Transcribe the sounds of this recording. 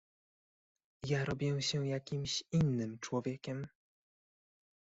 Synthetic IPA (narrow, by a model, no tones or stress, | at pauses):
jaɾɔbʲjɛɕɛjakʲimɕinːɘmt͡ʂwɔvʲjɛkʲɛm